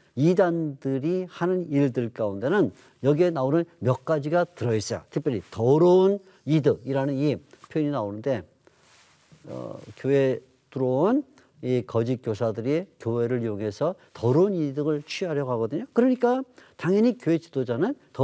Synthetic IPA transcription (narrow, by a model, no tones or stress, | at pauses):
idandɯɾihanɯniɭdɯɭk͈aunde̞nɯn | jʌɡienaonɯnmjʌk̚k͈ad͡ʑiɡatɯɾʌis͈ʌja̰tʰɯp͈jʌɾitʌɾoun | idɯiɾanɯnipʰjoininaonɯnde̞ | ʌ̰kjoe | tuɾon | ikʌd͡ʑik͈josʰadɯɾikjoɦe̞ɾɯɭjoŋɦe̞sʰʌtʌɾounidɯɡɯɭt͡ɕʰɥiɦaɾjʌɡoɦaɡʌdɯɲokɯɾʌɲik͈ataŋjʌɲikjoɦe̞t͡ɕidod͡ʑanɯntʌ